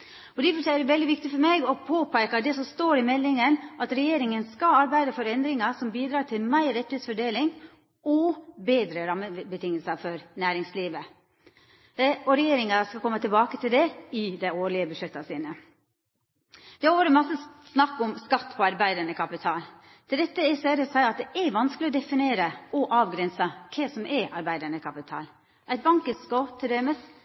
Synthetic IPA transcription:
ɔd̪ɛfɔʈʰɛlːɾɛʋɛld̪ɪʋɪk̚t̪ɪfɔɾmeɡɔpʰoːpʰækɑd̪ɛsɔmst̪oːɾɪmɛlːɪŋənɑt̪ɾɛjeːɾɪŋənskɑɑɾbæɪd̪əfɔɾɛnd̪ɾɪŋɑsɔmbiːd̪ɾɑːʈʰɪlmæɪɾːɛt̪ːɪheːtsfɔɖeːlɪŋ | ɔbeːd̪ɾəɾɑmːəbət̪ʰɪŋːəlsɑfɔɾnæːɾɪŋsliːʋə | ɔɾɛjeːɾɪŋɑskɑlkɔmːət̪ʰɪlbɑːkət̪ʰɪld̪ɛɪd̪æɪoːɭɪəbəʂɛt̪ːɑsiːnə | d̪̥ɛhʋoːɾəmɑsːəsnɑkːʊmskɑt̪ːpʰɔɑɾbæɪd̪əɳəkʰɑpɪt̪ʰɑːl | t̪ʰɪld̪ɛt̪ːəɪsæːɾəsæɪɑt̪̚d̪ɛʔæɾʋɑnskəlɪɔd̪ɛfɪneːɾəʔɔʔɑːʋɡɾɛnsɑkʰɛsɔmʔɛʔɑɾbæɪd̪əɳəkʰɑpɪt̪ʰɑ̰ːl | ʔæɪt̪̚bɑŋkəskɔt̪ʰɪld̪ɛməs

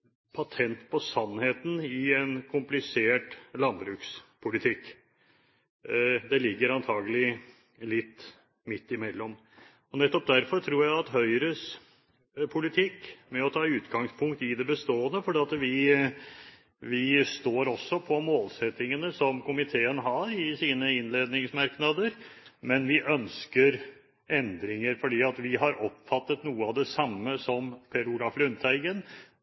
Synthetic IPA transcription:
pʰɑt̪ʰɛnt̪pʰɔsɑnːheːt̪n̩ɪɛnkʰʊmplɪseːʈlɑnbɾʉːkspʰʊlɪt̪ʰɪkː | d̪ɛlɪɡːəɾɑnt̪ʰɑːɡəlɪ | lɪt̪ː | mɪt̪ːɪmɛlːɔm | ɔnɛt̪ːɔp̚d̪æɾfɔɾʈ̪ʰɾuːɾjæɪɑt̪ɦœʏɾəs | pʰʊlɪt̪ʰɪkːmɛɔt̪ʰɑːʉːt̪ɡɑŋspʰʊŋk̚t̪ɪd̪ɛbəst̪oːənəfɔɖiːɑt̪ʋɪ | ʋɪst̪oːɾɔsːɔpʰɔmoːlsɛt̪ːɪŋənəsɔmkʊmɪt̪ʰeːənɦɑɾɪsiːnəɪnleːd̪nɪŋsmɑɾknɑd̪əɾmɛnʋɪʔœnskəɾ | ɛnd̪ɾɪŋəɾfɔɖiːɑt̪ʋɪɦɑɾɔpːfɑt̪ːət̪nuːəɑd̪ɛsɑmːəsɔmpʰɛɾʊɡɾɑflʉnt̪ʰæɪɡən

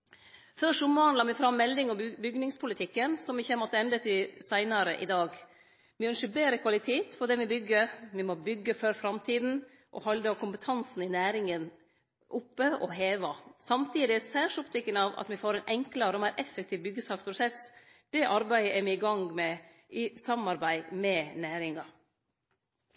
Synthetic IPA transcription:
fœʂʊmʋɑnlɑmɪfɾɑmːɛlːɪŋɔbʏɡnɪŋspʰʊlɪt̪ʰɪkːənsɔmʋɪçəmɔt̪ːəɛnd̪ət̪ɪsæɪnɑɾəʔɪ̰d̪ɑːɡ | mɪɔʏnʂəbeːɾəkʰʋɑlɪt̪ʰeːt̪fɔɖ̪ɛʋɪbʏɡːəmɪmɔbʏɡːəfœɾfɾɑmt̪ʰiːd̪n̩ | ʔɔ̰hɑld̪ɑkʰʊmpət̪ʰɑnsn̩ɪnæːɾɪŋən | ʔʊpːəɔ̰ɦeːʋɑsɑmt̪ʰiːd̪ɪɛsæːʂɔpt̪ʰɪkːənɑʋɑ̰t̪mɪfoːɾɛɪnʔɛŋklɑɾɔmæɪɾʔɛfːɛk̚t̪ʰiːʋbʏɡːəsɑːkspʰɾʊsɛsd̪̥ɛʔɑɾbæɪəʔɛmɪɪɡɑŋmɛ | ɪsɑmɑɾbæɪmɛnæːɾɪŋɑ

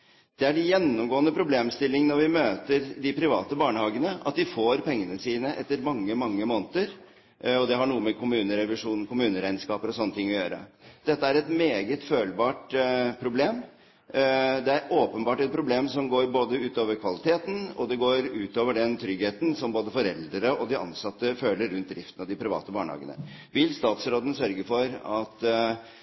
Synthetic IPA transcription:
d̪̥ɛæɖɪjɛnːʊmɡoːənəpʰɾʊbleːmst̪ɪlːɪŋənɔɾʋɪmøːt̪əɾd̪ɪpʰɾɪʋɑːt̪əbɑːɳəhɑːɡənəɑ̰t̪̚d̪ɪfoːɾpʰɛŋːənəsiːnəʔɛt̪ːəɾmɑŋːəmɑŋːəmoːnt̪əɾ | ɔd̪ɛɦɑɳuːəmɛkʰʊmʉːnəɾɛʋɪʂuːnkʊmʉːnəɾæɪnskɑːpəɾɔsɔnːət̪ɪŋːɔjøːɾə̰d̪̥ɛt̪ːəæɾɛt̪meːɡət̪føːlbɑːʈpʰɾʊbleːm | d̪ɛæɾoːpənbɑːʈɛt̪̚pʰɾʊbleːmsɔmɡoːɾboːd̪əʉːt̪oːʋəɾkʰʋɑlɪt̪ʰeːt̪n̩ɔ̰d̪ɛɡoːɾʉːt̪oːʋəɖɛnt̪ʰɾʏɡheːt̪n̩sɔmboːd̪əfɔɾɛld̪ɾəʔɔd̪ɪʔɑ̰nsɑt̪ːəføːləɾːʉnt̪̚d̪ɾɪft̪ənɑd̪ɪpʰɾɪʋɑ̰ːt̪əbɑːɳhɑ̰ːɡə̰nə̰ | ʋɪlst̪ɑːt̪sɾoːd̪ən̩sœɾɡəfɔɾɑt̪

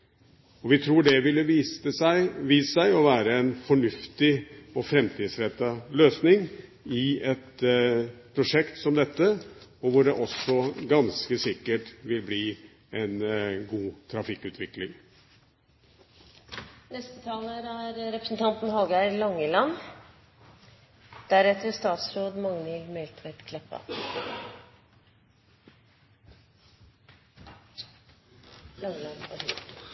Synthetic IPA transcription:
ɔʋɪt̪ʰɾuːɖɛʋɪlːəəʋiːæɪɔʋæːɾəɛnfɔɳʉft̪ɪɔfɾɛmt̪ʰiːd̪sɾɛt̪ːɑløːsnɪŋ | ɪɛt̪ | pʰɾʊʂɛkt̪sɔmd̪ɛt̪ːəɔʋʊɖɛʔɔsːɔɡɑnskəsɪkːəʈʋɪlbliː | ɛnɡuːt̪ʰɾɑfɪkːʉːt̪ʰʋɪklɪŋ | nɛst̪ət̪ʰɑːləɾæɾɾɛpɾə̥sn̩t̪ʰɑnt̪n̩ɦɔlɡæɪlɑŋːəlɑnː | d̪̥æɾɛt̪əst̪ɑːt̪sɾoːd̪mɑŋnilmɛlt̪ʰʋɛt̪kʰlɛpːɑ̰ | lɑŋːəlɑn

